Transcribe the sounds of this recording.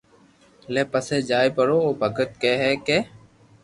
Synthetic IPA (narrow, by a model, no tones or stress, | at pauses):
leːpəseːd͡ʒaːiːpəɽoːoːbʱəɡət̪̚keːɦɛːkeː